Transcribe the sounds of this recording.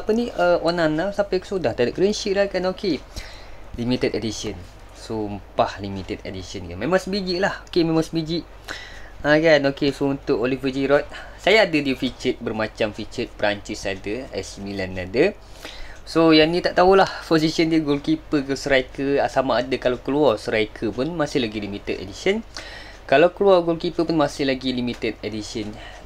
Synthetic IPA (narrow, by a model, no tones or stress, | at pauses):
apənĩʔəonanasapajkə̥sodaht̪adaʔkɾənʃiʔlahkanoke | limit̪ətedisən | sompahlimit̪ədḛdisənkanmemãŋsəbid͡ʒiʔlahokemẽmãŋsəbid͡ʒiʔ | akanokesount̪ʊʔolifəd͡ʒiɾɔt̪̚sajaːdədifit͡ʃət̪̚bərmat͡ʃamfit͡ʃət̪̚pəɾaɲt͡ʃisadəɛsəmbilanadə | sojanĩt̪aʔt̪aɦulahposisiəndiəɡolkipəɡosəɾajkəasamaːdakalawkluarsəɾaikʰəpʊnmasɪhlaɡilimit̪ət̪ḛdisiən | kalawkəluaɡolkipəpʊnmasɪhlaɡilimit̪ət̪̚edisən